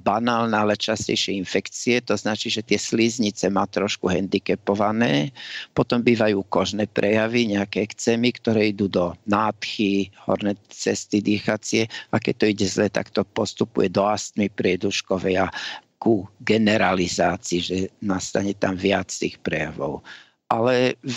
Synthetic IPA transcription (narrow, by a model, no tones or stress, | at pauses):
banaːlnɛalɛt͡ʃascɛ̰jʃɪɛinfɛkt͡siɛt̪ɔznat͡ʃiːʒɛt̪ɪɛslizɲit͡sɛmaːt̪ɾɔʃkuɦɛnd̪ikɛpɔʋanɛːpɔt̪ɔmbiːʋajuːkɔʒnɛːpɾʔɛjaʋiɲɛakɛɛkt͡sɛːmikt̪ɔɾɛːid̪uːd̪ɔnaːt̪xihɔ̰ɾnɛːt͡sɛst̪id̪iːxat͡sɪɛakɛc̚t̪ɔiɟɛzlɛːt̪a̰kt̪ɔpɔst̪upṵjɛd̪ɔast̪mipɾɪɛd̪uʃkɔʋɛja | kuɡɛnɛɾalizaːt͡siːʒɛnast̪aɲɛt̪amʋɪat͡st̪iːxpɾɛjaʋɔ̰ʊ | ʔalɛ